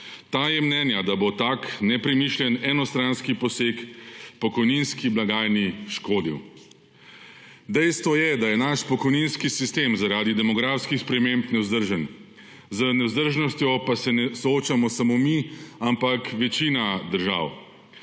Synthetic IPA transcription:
t̪aːjɛmnɛːnjad̪abot̪aknɛpɾɛmiʃljɛnɛnɔst̪ɾanskipɔseːkpɔkɔjninskiblaɡaːjniʃkoːd̪iw | d̪ɛjst̪ʋɔjɛd̪ajɛnaʃpɔkɔjninskisist̪eːmzaɾaːd̪id̪ɛmɔɡɾafskixspɾɛmempnɛwzd̪əɾʒən | zənɛwzd̪əɾʒnɔst̪jɔpasɛnɛsɔoːt͡ʃamɔsamomiampakʋɛt͡ʃiːnad̪əɾʒa̰w

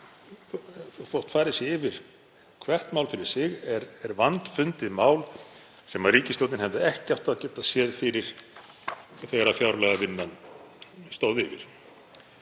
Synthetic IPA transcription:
θowht̪faːɾɪðsjɛɪvɪɾ̥ | kʰvɛr̥t̪mawlfɪɾɪɾ̥sɪɣɛɾɛɾvant̪fʏnt̪ɪðmaːwl | sɛmaðriːcɪst̪owt̪ɪnhɛvðɪɛhcɪaft̪aðcɛːt̪asjɛðfɪɾɪɾ̥ | θɛɾafjawɾlɛɣavɪnːan | st̪oːwðɪvɪ̰ɾ̥

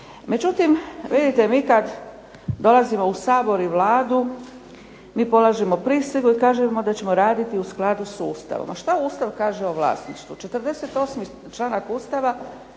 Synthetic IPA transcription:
me̞d͡ʒut̪imʋid̪it̪emiːkad̪ | d̪o̞lˠazimo̞usaːbo̞ɾiʋlaːd̪u | miːpo̞lˠaʒemo̞pɾisʋiɡuikaːʒemo̞d̪at͡ɕe̞mo̞ɾaːd̪it̪iusklad̪usuːst̪a̰ʋo̰maʃt̪auːst̪aʋkaːʒeoʋla̰ːsniʃt̪ʋut͡ʃe̞t̪ɾd̪e̞set̪o̞ːsmi | t͡ʃlˠanakuːst̪aʋa

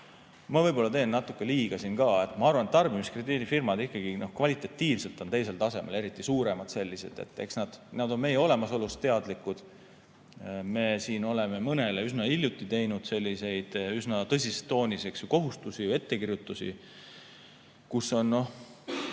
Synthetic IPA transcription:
mɑvɤjbo̞lːɑt̪eːnːnɑt̪ːukːe̞liːɡ̥ɑsinkɑːe̞t̪ːˑmɑɑrvɑnet̪ːɑrbimiskrid̪iːd̪ifirmɑd̪ihkːˑɑɡ̥ino̞hkvɑlit̪ˑɑt̪ːiːvse̞lt̪ˑo̞nt̪e̞js̬e̞lt̪ɑse̞mʔḛle̞ɾit̪ːˑisuːɾe̞mɑd̪se̞lʲːise̞̰d̪̥e̞̰t̪ːˑe̞ksnɑd̪̥nɑd̪o̞nme̞jeo̞le̞mɑso̞lust̪t̪e̞ɑd̪likːˑud̪̥ | me̞siːno̞le̞me̞mɤne̞leysnɑilʲjut̪ːˑit̪e̞jnud̪̥se̞lʲːise̞jd̪̥ysnɑt̪ɤs̬ʲist̪ːo̞ːniseksjuko̞ɦust̪usie̞t̪ːe̞kirjut̪ːˑusḭ | kuso̞nːo̞h

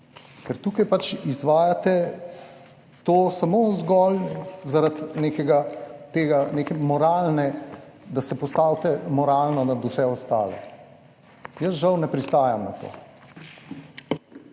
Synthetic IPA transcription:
kɛɾt̪uːkajpat͡ʃizʋaːjat̪ɛ | t̪oːsamozɡɔlzaɾat̪neːkɛɡat̪eːɡaneːkɛmɔɾaːlnɛd̪asɛpɔst̪awt̪ɛmɔɾaːlnɔd̪ad̪ʊsɛɔst̪a̰ːlɛ̰ | jəsʒawnɛpɾist̪aːjamnat̪o̰ː

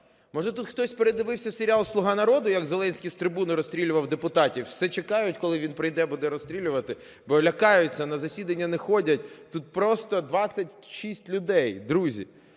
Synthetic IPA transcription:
mɔʒɛt̪ut̪xt̪ɔsʲpeɾed̪ɪʋɪwsʲɐseɾʲɪɑlˠslˠʊɦɑnɐɾɔd̪ʊjɐɡzelˠɛnʲsʲkʲist̪ɾɪbunʊɾɔst̪ɾʲilʲʊʋɐwd̪epʊt̪ɑtʲiwsɛt͡ʃekɑjʊtʲkɔlˠɪʋinpɾɪjd̪ɛbud̪ɛɾɔst̪ʲɾʲilʲʊʋɐt̪ɪ | bɔlʲɐkɑjʊt͡sʲːɐnɐzɐsʲid̪ɐnʲːɐnɛxɔdʲɐt̚ʲt̪ut̪̚pɾɔst̪ɔd̪ʋɑt͡sʲːɐtʲʃisʲtʲlʲʊd̪ɛjd̪ɾuzʲḭ

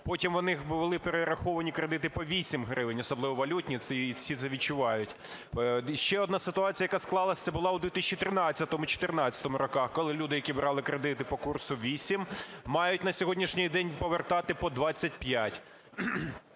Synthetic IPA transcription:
pɔtʲimʋɔnɪxbʊɪlˠɪpeɾeɾɐxɔʋɐnʲikɾed̪ɪt̪ɪpɔʋʲisʲimɦɾɪʋɪnʲɔsɔblˠɪʋɔʋɐlʲutʲnʲit̪sɛsʲit̪sɛʋʲit͡ʃʊʋɑjʊtʲ | ʃt͡ʃɛɔd̪nasɪt̪ʊɑt͡sʲijɐjɐkasklˠɑlˠɐsʲt̪ɛbʊlˠɑwd̪ʋʲit̪ɪsʲt͡ʃːit̪ɾɪnɑt͡sʲːɐt̪ɔmʊt͡ʃɔ̥t̪ɪrnɑt͡sʲɐ̥t̪ɔmʊɾɔkɑxkɔlˠɪlʲud̪ɪjɐkʲibɾɑlˠɪkɾed̪ɪt̪ɪpɔkursʊʋʲisʲimmɑjʊtʲnɐsʲɔɦɔdʲnʲiʃnʲɪjd̪ɛnʲpɔʋert̪ɑt̪ɪpɔd̪ʋɑt͡sʲːɐtʲpjatʲ

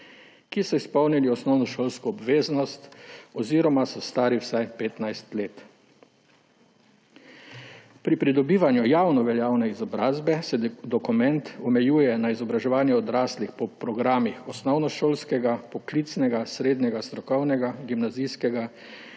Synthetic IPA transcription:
kisɔispɔwniliɔsnɔwnɔʃoːlskɔːbʋeːznɔst̪ɔziɾɔmasɔst̪aːɾiwsajpeːt̪najst̪leːt̪ | pɾipɾid̪ɔbiːʋanjujaːwnɔʋɛljaːwnɛizɔbɾaːzbɛsɛd̪ɔkumɛnt̪ɔmɛjuːjɛnaizɔbɾaʒɛʋaːnjɛɔd̪ɾaːslixpɔpɾɔɡɾaːmixɔsnɔwnɔʃoːlskɛɡapɔklit̪snɛɡasɾeːd̪nʲɲɛɡast̪ɾɔkɔwnɛɡaɡimnazijskɛɡa

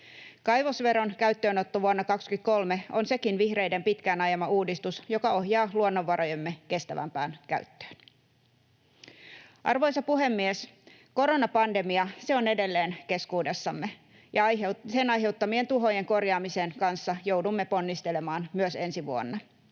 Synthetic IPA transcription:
kɑjʋosʋe̞ɾo̞nkæyt̪ːøːnot̪ːoʋuonːɑkɑkskyt̪̚ko̞lme̞onse̞kinʋihre̞jde̞mpit̪kæːnɑjɑmɑuːdist̪usjo̞kɑo̞ɦjɑːluonːoʋːɑɾʔojemːeke̞st̪æʋæ̰mpæːnkæ̰yt̪ːø̥ːn | ʔɑ̰rʋojsɑpuɦe̞mːies | ko̞ɾo̞nɑpɑnde̞miɑse̞one̞de̞lːeːnke̞skuːde̞sːɑmːe | jɑsenɑjɦe̞ut̪ːɑmie̞nt̪uɦo̞je̞ŋko̞rjɑːmiseːnkɑnsːɑjo̞wdumːepo̞nːist̪ele̞mɑːnmyøse̞nsiʋuo̰nːɑ

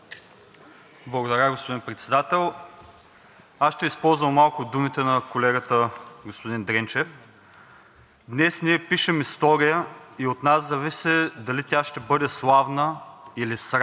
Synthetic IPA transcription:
blˠɐɡod̪ɐɾʲaɡospod̪inpɾɛt̪sɛd̪at̪ɛlˠ | asʃt̪ɛispɔlˠzvəmmalˠkʊd̪umit̪ɛnɐkolɛɡət̪əɡospod̪ind̪ɾɛnt͡ʃɛf | d̪nɛsniɛpiʃɛmist̪ɔɾijəiot̪naszɐvisɛd̪ɐlit̪ʲaʃt̪ɛbɤd̪ɛslˠavnəilisɾ

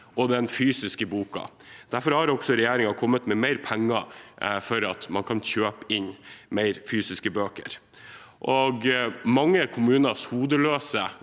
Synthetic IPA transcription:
ɔd̪ɛnfyːsɪskəbuːkɑ̰ | d̪̥æɾfɔɾhɑɾɔksɔɾɛjeːɾɪŋɑkʰɔmːət̪mɛmæɪɾpʰæŋːɑfɔɾɑt̪mɑnkʰɑnçøːpəɪnmæɪɾfyːsɪskəbøːkə̰ɾ | ʔɔɡmɑŋːəɾkʰʊmʉːnɑshuːd̪əløːsə

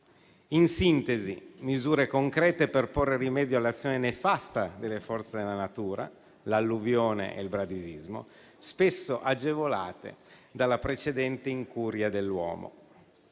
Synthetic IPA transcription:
insint̪ezḭmizuːɾekoŋkɾɛːt̪eperporːerimɛːd̪joalːat̪sːjoːnenefast̪ad̪elːefɔrt̪sed̪elːanat̪uːɾa̰ | lalːuvjoːnḛʔḛlbɾad̪izizmo̰ | spesːoʔad͡ʒevolaːt̪ḛd̪alːapɾet͡ʃed̪ɛnt̪eiŋkuːɾjad̪elːwɔ̰ːmo̰

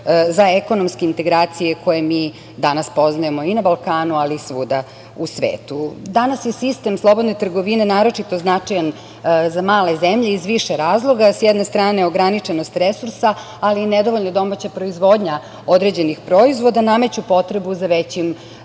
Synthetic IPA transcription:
zaeko̞nomske̞int̪e̞ɡɾaːt̪sijekʰo̞jemiː | d̪anaspo̞znajemo̞inabalˠkaːnualisʋuːd̪a | usʋḛːt̪ud̪anasjesist̪e̞mslˠo̞bo̞d̪net̪r̩ɡo̞ʋine̞naːɾo̞t͡ʂit̪o̞znat͡ʂajan | zamaːlezemʎeizʋiʃeɾaːzlˠo̞ɡasjɛd̪ne̞st̪ɾaːne̞o̞ɡɾanit͡ʂenost̪ɾesuɾsaː | liːned̪oʋo̞ʎnod̪o̞mat͡ɕapɾo̞izʋo̞ːd̪ɲa | od̪ɾed͡ʑe̞nixpɾo̞izʋo̞d̪aname̞t͡ɕupo̞t̪ɾe̞buzaʋet͡ɕim

